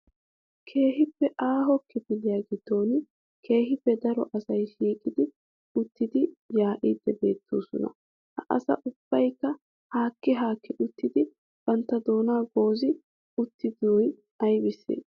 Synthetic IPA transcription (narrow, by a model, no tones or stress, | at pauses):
kʰe̞ːɦɪpːɛʔaːɦɔkːɪd̪ɪlɪjaːɡɪd̪ːo̞ːn | kʰe̞ːhɪpːɛd̪ɐɾɔʔɐsɐjʃiːkʼɪd̪ɪ | ʊt̪ːɪd̪ɪjaːʔɪd̪ːɛbe̞ːt̪ʰːo̰ːsɔ̰nɐ̰ | hɐʔɐsɐ̰ʔʊb̥ːɐjkːɐ | haːkːɪɦaːkːɪʔʊt̪ːɪd̪ɪ | b̥ɐnt̪ːɐd̪o̞ːnaːɡo̞ːzɪ | ʊt̪ːɪd̪oːj | ɐjbɪsːḛːs